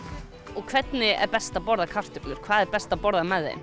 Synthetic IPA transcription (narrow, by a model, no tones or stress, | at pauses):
ɔɣkʰvɛt̪nɪɛ̰ɾpɛst̪apɔɾðakʰar̥t̪ʏplʏɾ̥kʰvaːðɛɾpɛst̪apɔɾðamɛðːɪ̰